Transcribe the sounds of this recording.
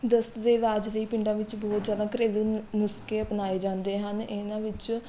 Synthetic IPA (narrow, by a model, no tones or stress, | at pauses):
d̪əst̪d̪eːɾaːd͡ʒliːpɪ̃ɳɖãːʋɪt͡ʃbɔːt̪zjaːd̪ãːkɾeːluːnʊskeːəpnaːeːd͡ʒãːnd̪eːɦənɪnãːʋɪt͡ʃ